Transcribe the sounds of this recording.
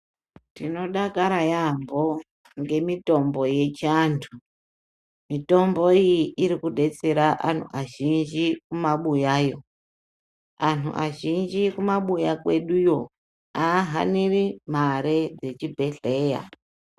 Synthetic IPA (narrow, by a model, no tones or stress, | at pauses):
tino̞ɗakaɾajambo̞ | ŋɡe̞mito̞mbo̞je̞t͡ʃaːntʰu | mito̞mbo̞ijiʔiɾikuɗe̞t͡se̞ɾaʔa̰n̤ṵʔaʒind͡ʒikumaɓujaːjo̞ | anṵʔa̰ʒind͡ʒikumaɓujakwe̞ɗujo̞ | aɦa̰nirim̤aɾed͡ze̞t͡ʃibʱe̞ɬe̞ːja̰